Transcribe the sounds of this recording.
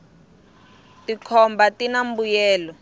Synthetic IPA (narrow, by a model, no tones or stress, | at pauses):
tikʰɔmbatinambujɛːlɔ